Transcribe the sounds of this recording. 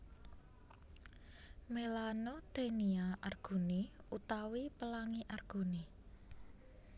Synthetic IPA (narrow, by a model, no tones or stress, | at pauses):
melanod̪̥eniaʔarɡ̥ṳniut̪awipəlaŋiʔarɡ̥uni